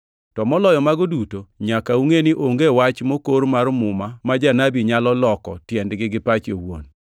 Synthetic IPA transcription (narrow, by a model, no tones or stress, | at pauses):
tɔmɔlɔjɔmaɡodutoɲakauŋenɪʔoŋɡewat͡ʃmokoɾmarmʊmamad͡ʒanabiɲalɔlɔkɔtjɛndɡɪɡɪpat͡ʃjowo̰n